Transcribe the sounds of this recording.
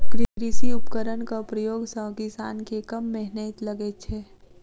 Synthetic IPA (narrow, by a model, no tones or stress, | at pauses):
kɾɪɾɪsiʊpkəɾənkapɾəjoːɡsəkɪsaːnkekɐmːɛɦnət̪lɐɡet͡ʃʰeː